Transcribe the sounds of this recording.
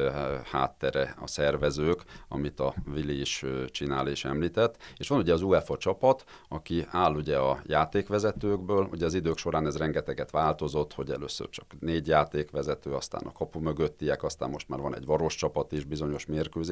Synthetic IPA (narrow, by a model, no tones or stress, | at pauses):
ha̰ːt̪ːɛɾɛɒ̰sɛrʋɛzøːkɒ̰mit̪ɒviliiʃt͡ʃinaːleːʃɛmliːt̪ɛt̪ːeːʃʋɒnuɟɛɒzuɛfɒt͡ʃɒpɒt̪ | ɒkiaːlːuɟɛɒjaːt̪eːkʋɛzɛt̪øːɡbøːlṵɟɛɒzid̪øːkʃo̞ɾaːnɛzrɛŋɡɛt̪ɛɡɛt̪ʋaːlt̪o̞zo̞t̪ːho̞ɟɛlø̰ːsø̰rt͡ʃɒ̥kneːɟjaːt̪eːkʋɛzɛt̪øːɒst̪a̰ːnʔɒ̰kɒpumø̞ɡøt̪ːiɛkɒst̪a̰ːmmo̞ʃt̪ma̰ːrʋɒnɛ̰ɟʋɒɾo̞ʃt͡ʃɒpɒt̪iʒbizo̞ɲo̞ʃmeːrkøːze